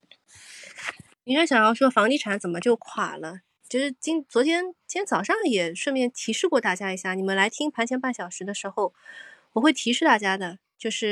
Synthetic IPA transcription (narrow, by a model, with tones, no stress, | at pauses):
i˧˥a˥ɕjɑ˨˩ŋjɑ˥˩ʊʂwɔ˥fɑ˧˥ŋli˥˩ʈ͡ʂʰa˧˥nt͡sə˨˩nmə˦t͡ɕjo˥˩ʊkʰwa̰˨˩lə˦ | t͡ɕjo˥˧ʊʂɻ̩˥˩t͡ɕi˥nt͡swɔ˧˥t̪ʰjɛ˥nt͡ɕʰjɛ˥nt͡sɑ˨˩ʊʂɑ˥˩ŋjɛ˨˩ʂwə˥˧mjɛ˥˩nt̪ʰi˧˥ʂɻ̩˥˧kwɔ˥˧t̪a˥˩t͡ɕja˥i˧˥ɕja˥˩ni˨˩mə˧˦nla˧˥ɪt̪ʰi˥ŋpʰa˧˥nt͡ɕʰjɛ˧˥npa˥˩nɕjɑ˨˩ʊʂɻ̩˧˥d̪ə˧ʂɻ̩˧˥xo˥˧ʊwɔ˨˩xwe˥˩ɪt̪ʰi˧˥ʂɻ̩˥˧t̪a˥˩t͡ɕja˥d̪ə˨ | t͡ɕjo˥˧ʊʂɻ̩˥˩